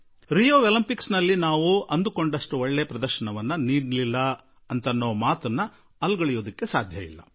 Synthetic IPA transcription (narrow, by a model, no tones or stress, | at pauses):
ɾijoːʋelimpiksnɐlːinaːʋuɐnd̪uko̞ɳɖɐʂʈuɔɭːepɾɐd̪ɐɾʃɐnɐʋɐnːɐniːɖlilːɐ | ɐnt̪ɐnːoːɐmaːt̪ɐnːɐ | ɐlɡɐɭijoːd̪ɐkːe̞saːd̪ʱjɐʋḭlːɐ̰